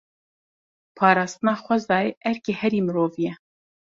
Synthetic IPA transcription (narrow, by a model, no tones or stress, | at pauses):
pʰɑːɾɑːst̪ɨnɑːxʷɛzɑːjeʔɛɾkeːhɛɾiːmɨɾoːvijɛ